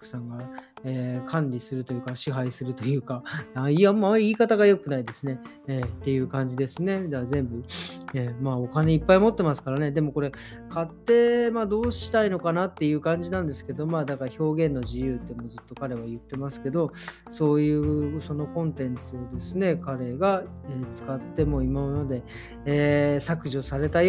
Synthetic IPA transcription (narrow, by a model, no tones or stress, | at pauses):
kɯ̥sãŋɡa | eːkʰãnɾʲisɨɾɯ̟t̪o̞jɯ̟kaɕiɦaisɨɾɯ̟t̪o̞jɯ̟ːkaaiamoamːaɾʲiiːkat̪aɡajo̞kɯ̟naid̪e̞sɨne̞ | eːt̪ːe̞jɯ̟ːkãɲ̟d͡ʑid̪e̞sɨne̞d̪zẽ̞mbɯ̟eːmao̞kane̞ipːaimo̞t̪ːe̞masɨ̥kaɾane̞d̪e̞mo̞ko̞ɾe̞ | kʰat̪ːe̞ːmaːd̪o̞ːɕi̥t̪ainokanat̪ːe̞jɯ̟ːkãɲ̟d͡ʑinãnd̪e̞sɨ̥ke̞d̪o̞maːd̪akaɾço̞ːɡẽ̞nːo̞ʑijɯ̟ːt̪ːe̞mo̞zɨt̪ːo̞kaɾe̞βajɯ̟t̪ːe̞masɨ̥ke̞d̪o̞ | so̞ːjɯ̟ːso̞no̞kõ̞nt̪ẽ̞nt͡sɨo̞d̪e̞sɨne̞kaɾe̞ɡa | eːt͡sɨ̥kat̪ːe̞mo̞imammad̪e̞ː | sakɯ̟ʑosaɾe̞t̪aj